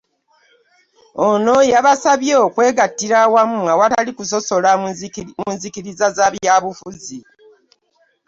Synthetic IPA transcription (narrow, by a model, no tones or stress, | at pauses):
ono̞jaβasaβjeːkwe̞ːɡatːiɾawamuŋɡawatalikuso̞so̞lamuːnzikiɾizazaβjaːβufuzi